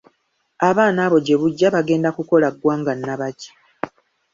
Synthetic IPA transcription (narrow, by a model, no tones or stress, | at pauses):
aβaːnaːβo̞ɟe̞βuɟːaβaɡe̞ːndakuko̞laɡwaːŋɡanːaβaci̥